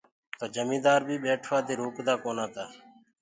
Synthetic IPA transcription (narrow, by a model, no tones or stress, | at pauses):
t̪oːd͡ʒəmĩːd̪aːɾbʱiːɓeːʈʰʋaːt̪iːɾuːkd̪aːkoːnaːt̪aː